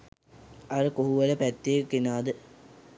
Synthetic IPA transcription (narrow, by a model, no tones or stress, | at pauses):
aɾəkoɦuʋɐləpæt̪ːekːinaːd̪ə